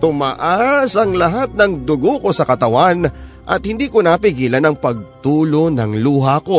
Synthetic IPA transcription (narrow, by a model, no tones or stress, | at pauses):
t̪ʊmaʔasɐŋlɐɦat̪̚nɐŋd̪ʊɡoko̞sɐkɐt̪ɐwan | ʔɐt̪̚hɪnd̪iːkonapɪɡiːlɐnɐŋpɐɡ̚t̪uːlo̞nɐŋluːɦɐko̞